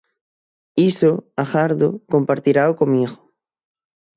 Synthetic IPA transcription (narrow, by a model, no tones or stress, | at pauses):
isoaxaɾðokompaɾt̪iɾaokomiiɣo̥